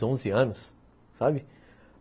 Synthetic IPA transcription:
õzɪɐ̃nʊsː | abɪ

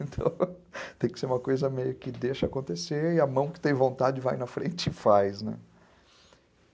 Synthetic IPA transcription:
ẽnt̪ʰɐ̰̃w̃ | t̪ẽj̃kɪ̥seɾũmɐkojzɐmejʊkɪd̪eʃɐakõnt̪eseɾɪɐmɐ̃w̃kɪ̥t̪ẽj̃võnt̪ad͡ʒɪvajnɐfɾḛ̃nt͡ʃɪfajsnɛ̰̃

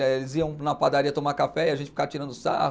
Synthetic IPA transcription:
elɪziɐ̃w̃nɐpad̪aɾiɐt̪omakafɛiaɐʒẽnt͡ʃɪfi̥kaɐt͡ʃiɾɐ̃d̪ʊsa̰ɦʊ

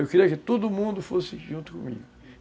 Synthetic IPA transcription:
ewkeɾiɐkɪt̪od̪ʊmũd̪ʊfosɪʒũnt̪ʊ̥kõ̰mḭɡʊ

